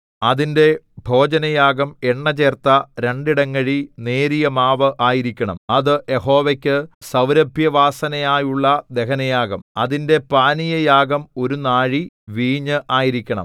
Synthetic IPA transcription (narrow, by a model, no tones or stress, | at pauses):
ɐðinde̞ | bʱo̞ːd͡ʑɐnɐjaːɡɐme̞ɳːɐt͡ɕe̞ːrt̪ɐɾe̞ɳɖiɽɐŋːɐɻine̞ːɾijɐmaːʋɐʔaːjiɾikʲːɐɳɐ̰mɐðɨʔe̞ho̞ːʋekʲːɨsɐwɾɐbʱjɐʋaːsɐnɐjaːjuɭːɐd̪e̞kɐnɐjaːɡɐmɐðinde̞paːnijɐjaːɡɐmo̞ɾunaːɻi | ʋiːɲɨʔaːjiɾikʲːɐɳɐ̰m